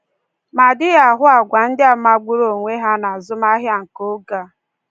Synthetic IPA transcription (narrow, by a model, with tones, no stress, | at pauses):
ma˨dɪ˦ɣa˨ɦʊ˦a˨ɡʷa˨n̩˦dɪ˦a˨ma˨ɡ͡bʊ˦ɾo˨ŋʷe˦ɦa˦na˨a˨zʊ˦ma˦ɦja˦ŋ̩˨ko˦ɡa˦˨